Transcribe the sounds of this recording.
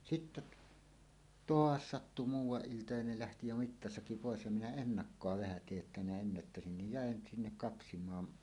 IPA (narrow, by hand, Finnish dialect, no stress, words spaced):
sitːe t toɑs sɑtːu muːwˑɑʔ ʔiltɑ jɑ ne læhti jo mitːɑsɑki poˑes jɑ minæ enːɑkːoɑ ʋæhæ tiej jotːɑ minæ enːætːæsin nij jæˑen sinːek kɑpsimˑɑːn